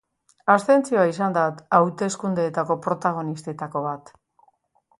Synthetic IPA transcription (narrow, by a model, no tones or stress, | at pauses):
ast̪e̞nt͡sioaisand̪at̪awt̪e̞skund̪e̞ːt̪ako̞pɾo̞t̪aɣ̞o̞nist̪e̞t̪ako̞βat̪